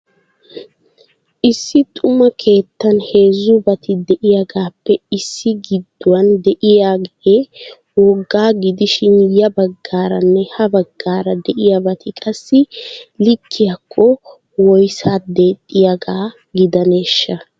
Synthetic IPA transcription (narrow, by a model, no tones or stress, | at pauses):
ʔɪsːɪt̪ʼʊmɐkʰe̞ːt̪ːɐnhe̞ːzːʊbɐt̪ʰɪd̪ɛʔɪjaɡaːpːɛɪsːɪɡɪd̪ːʊwɐnd̪ɛʔɪjaːɡeː | wɔɡːaːɡɪd̪ɪʃɪnjɐbɐɡːaːɾɐnːɛhɐbɐɡːaːɾɐd̪ɛʔɪjabɐt̪ʰɪkʼɐsːɪlɪkʰːɪjakʰːɔ | wɔjsaːd̪e̞ːt̪ʼːɪjaɡaː | ɡɪd̪ɐne̞ːʃːɐ